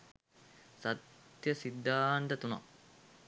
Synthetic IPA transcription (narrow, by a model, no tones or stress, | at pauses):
sat̪jəsid̪ːaːnt̪ət̪unɐ̰